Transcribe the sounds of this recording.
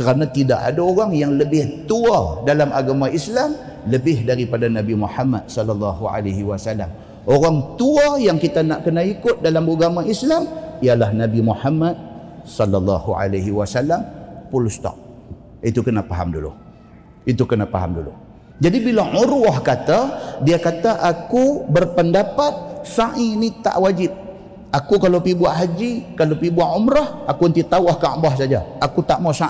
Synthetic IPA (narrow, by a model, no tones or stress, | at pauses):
kəɾanãt̪ida̰ʔa̰daoɾaŋjaŋləbɪht̪uadalamʔaɡamaʔislam | ləbɪɦdaɾipadanabimuħama̰t̪̚sɔlːalːɑɦua̰laɦiwasala̰m | oɾaŋt̪uajaŋkit̪anaʔkənaikʊt̪̚dalamuɡamaislamijalahnabimuħamad̪̚sɔlːalːɑhuʕa̰laɦiwasalampulust̪ɔ̰ʔ̚ | it̪ukənafaɦa̰mdulṵ | it̪ukənafaɦa̰mdulṵ | d͡ʒadibilaʕuɾwahkat̪adiakat̪aʔakubərpəndapat̪̚saʔinit̪a̰ʔwad͡ʒɪp̚ | akukalawpibuaʔɦad͡ʒikalapibuaʔumɾahakuənt̪it̪awahkaʔbahsad͡ʒaakut̪aʔmasa